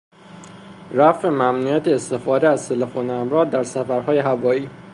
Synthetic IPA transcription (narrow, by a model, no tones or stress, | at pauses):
ɾæfemæmnujæt̪ʰeːst̪e̞fɒːd̪eæzt̪ʰe̞lefoːneæmɾɒːd̪̚d̪ːæɾsæfæɾɦɒːje̞ɦævɒːiː